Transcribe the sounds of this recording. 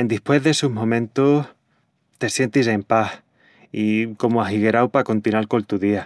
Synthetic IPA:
end̪ihpwe̞ɦðeesuɦmõ̞mẽ̞nt̪oh | t̪e̞sje̞nt̪ise̞mpah | iko̞moaɦiɣe̞ɾawpako̞nt̪inaɾko̞nt̪uðia

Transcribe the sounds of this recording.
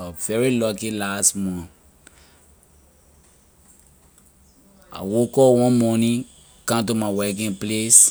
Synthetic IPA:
avɛɹilɔkilastmɔ̃n | a̰wokɔwɔ̃nmɔnĩ | kãmt̬umawɛk̬ĩŋples

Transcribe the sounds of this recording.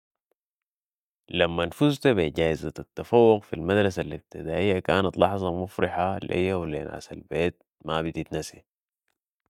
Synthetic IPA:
lamːanfuzt̪abeɟaːjizat̪at̪ːafawːʊɡfilmad̪ɾˤɑsalib̚t̪id̪aːʔijːakaːnat̪lɑħzˤɑmufɾiħalʔḛjːawlḛːna̰ːsa̰lbeːt̪̚ | mabid̪it̪nasḭ

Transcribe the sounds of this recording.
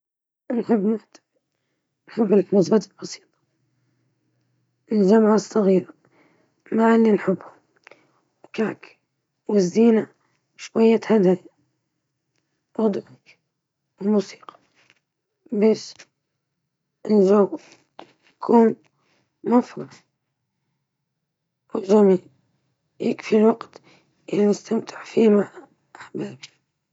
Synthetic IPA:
nħɪbːnat̪ | nħɪbːɪlmʊzbad̪ɪlbɑsi̥ːt̪ˤ | ʔɪld͡ʒamʕasˤːɑɣiːɾa | maʕalːinħɪbhʊm | wkaːk | wɪzːiːna | ʃwajːat̪had̪aj | ʔɑd̪ˤʕak | wɪmuːsi̥ːqʰɑ̥ | baːʃ | ʔɪnd͡ʒaw | jakʰuːn | mafɾˤɑ | wɪld͡ʒamiːl | jɪkfilwaɡt̪ | ʔɪlmɪst̪amt̪ʰɪʕfiːmaʕ | ʔaħbaːbi

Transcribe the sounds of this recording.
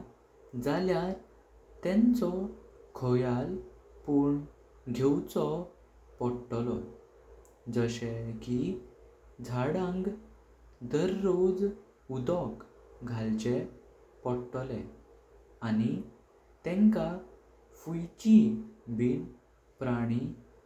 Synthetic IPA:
d͡zalja | t̪ɛ̃nt͡sɔkʰɔjalpuɳ | ɡʱewt͡sɔ | pɔɾʈɔlɔ | d͡zəɕeki | d͡zʱaɽãŋɡ | d̪əɾːod͡z | ud̪ɔk | ɡʱalt͡ɕe | pɔɽʈɔlɛ | ani | t̪ɛ̃ŋka | fujt͡ɕibiːn | pɾaɽ̃i

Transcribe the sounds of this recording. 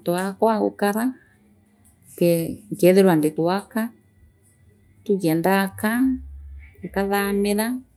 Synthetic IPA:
t̪oakʷaɣṵkaða | keŋkeðeɾwandikuaka | t̪ukend̪aka | kaðamẽða

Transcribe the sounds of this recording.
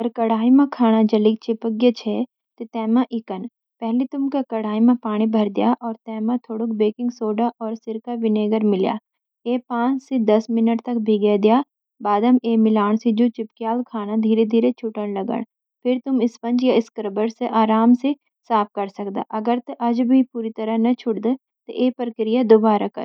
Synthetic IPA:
əɾkɐɽ̤aːimãkʰaːñad͡ʒɐlɪk̚t͡ʃɪpəɡjət͡ʃʰeː | t̪et̪ɛːmãʔɪkən | pɛɦlit̪ʊmkakɐɽ̤aːimãpaːɽ̃ibʱɐɾd̪ijaʔɔːɾt̪ɛːmãt̪ʰoːɽuk̚beːkɪ̃ŋɡsoːɖaʔɔːɾsɪɾkaʋɪneːɡəɾmɪlja̰ː | eːpãːt͡ʃsid̪ɐsmɪnəʈt̪ɐk̚bʱiɡed̪ijaː | baːd̪əmeːmɪlaːɽ̃sid͡ʒot͡ʃɪpkjaːlkʰaːnad̪ʱiːɾed̪ʱiːɾet͡ʃʰʊʈəɽ̃lɐɡə̰ɽ̃ | pʰɪɾt̪ʊmɪspɐ̃nd͡ʒjaɪskɾbəɾseʔaːɾaːmse | saːp̚ʰkɐɾsɐk̚d̪a̰ʔɐɡəɾt̪eʔɐd͡ʒbʱipuːɾit̪ɐɾəɦnɐt͡ʃʰʊʈd̪e | t̪oʔeːpɾəkɾɪjad̪obaːɾakɐ̰ɾ

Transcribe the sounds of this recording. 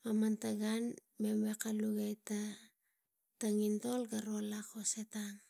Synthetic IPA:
amantaɡan | me̞mwekaluɡajta | taŋinto̞lɡaɾoalakosetan

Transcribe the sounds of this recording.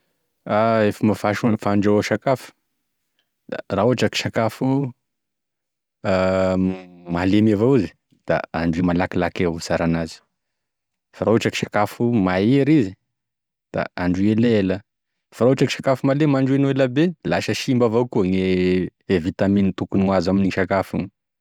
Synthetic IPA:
aefəmafaʃfaɳɖ͡ʐawaʃakafu̥ | d̪a̰rauaʈ͡ʂaki̥ʃakafu | a | malemiavowizi̥ | d̪̥a̰aɳɖ͡ʐuimalakilakewsaɾanazi̥ | faɾauaʈ͡ʂaki̥ʃakafumaeɾizi | d̪̥a̰aɳɖ͡ʐielelə | faɾauaʈ͡ʂaki̥ʃakafumalemaɳɖ͡ʐuenueləbelaʃəʃimbavowkoɲeevit̪aminit̪ukunazaminiʃakafun

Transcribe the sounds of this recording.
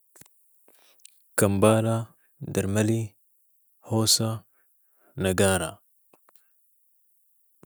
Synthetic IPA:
kɐmbaːla | dɐɾmɐli | hoːsa | nɐɡaːɾa

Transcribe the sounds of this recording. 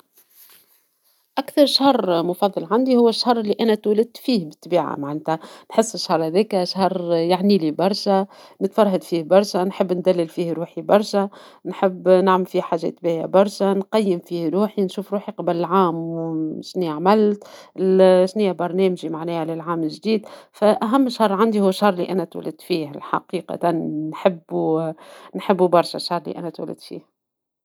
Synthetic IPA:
ʔækθɑɾˤʃhɑrˤmʊfɑðˤːɑlʕand̪ihʊwːæʃːhɑrˤːɪlːiʔænæt̪wlɪd̪̚t̪fiːhbɪt̪ːbiːʕa̰maʕant̪ænħɪsːɪʃːhɑɾˤhæðɛːkæʃhɑɾˤjaʕniːlibɑɾˤʃænɪt̪fɑɾˤɦad̪fiːhbɑɾˤʃænħəbːnd̪ælːɪlfiːhɾuːħibɑɾˤʃæ | nħɪbːnaʕməlfiːhħaːʒːɛ̰t̪ːbiːʕja̰bɑɾˤʃanqɑjːəmfiːhɾuːħinʃuːfɾuːħiqɑbllʕaːmʃniʕmælt̪lʃnijːæbɑɾˤnɛːmʒimaʕnɛːhlɪlʕaːmɪlʒd̪iːd̪fæʔæɦæmːʃhɑrˤʕand̪ihʊwːʃɑrˤlḭʔænæt̪wæ̰lɪd̪fiːhlħɑ̰qiːqɑ̰t̪anːħɪbːunħɪbːubɑɾˤʃæ̰ʃɑɾˤlḭʔæ̰næt̪wæ̰lɪ̰d̪fḭːh

